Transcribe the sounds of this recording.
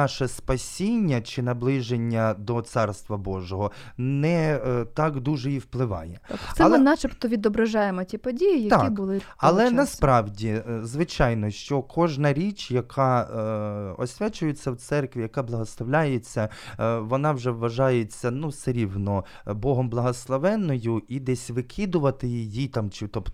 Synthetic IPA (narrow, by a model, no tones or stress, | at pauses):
nɑʃɛspɐsʲinʲːɐt͡ʃɪnɐblˠɪʒenʲːɐd̪ɔt̪sɑrst̪ʋɐbɔʒɔɦɔ | nɛt̪ɑkd̪uʒɛiwplˠɪʋɑ̰jɛk̪ɛɐlmˠɛnɑt͡ʃɪpt̪ɔʋʲid̪ɔbɾɐʒɑjemɔtʲipɔdʲijijjɐk̪ɑibʊlˠɪɐlˠɛnɐspɾɑwdʲizʋɪt͡ʃɑjnɔʃt͡ʃɔkʰɔʒnɐɾʲit͡ʃjɐkʰɑ | ɔ̰sʲʋʲɛt͡ʃʊjet͡sʲːɐwt̪sɛrkʋʲijɐkɑblˠɐɦɔslˠɐʋlʲajet͡sʲːɐʋɔnɑwʒɛʋːɐʒɑjet͡sʲːɐnusɛɾʲiwnɔ | bɔɦɔmblˠɐɦɔslˠɐʋɛnːɔjʊid̪ɛsʲʋɪkʰɪd̪ʊʋɐt̪ɪjijit̪ɑmt͡ʃɪt̪ɔp